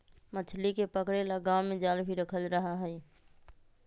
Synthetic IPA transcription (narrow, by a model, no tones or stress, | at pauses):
mət͡ʃʰlikepəkɽelaɡawmẽd͡ʒalbʱiɾəkʰəlɾəɦaɦəi